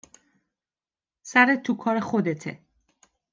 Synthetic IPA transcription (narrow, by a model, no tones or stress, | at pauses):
sæɾet̪ʰːukʰɒːɾexod̪et̪ʰḛ